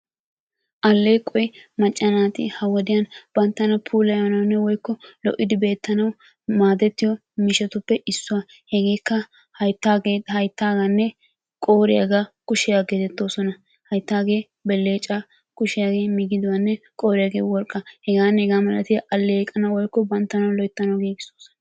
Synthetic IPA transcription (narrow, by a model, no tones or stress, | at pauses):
ʔɐlːeːkʼːɔjmɐt͡ʃʼːɐnaːt̪ɪ̰hɐwɔd̪ɪjɐnb̥ɐnt̪ːɐnɐpʰuːlɐjanɐwnːɛwɔjkːɔlɔ̰ʔːɪd̪ɪbe̞ːt̪ːɐnɐw | maːd̪ɛt̪ːɪjɔ | mɪʃɛt̪ʊpːɛʔɪsːʊwɐ | hɛɡeːkːɐ | hɐjt̪ːaːɡehɐjt̪ːaːɡanːɛ | kʼo̞ːɾɪja̰ːɡakʊʃɪjaːɡeːt̪ɛt̪ːo̞ːsɔnɐ | hɐjt̪ːaːɡe̞ː | bɛlːeːt͡ʃʼːa | kʊʃɪjaːɡe̞ːmɪɡɪd̪ɪwɐnːɛ | kʼo̞ːɾɪjaːɡeːwɔɾkʼːɐhɛɡaːnːɛhɛɡaːmɐlɐt̪ɪjɐʔɐlːɛkʼːɐnɐwɔjkːɔbɐnt̪ːɐnɐwlɔjt̪ːɐnɐwɡiːɡɪsoːsɔnɐ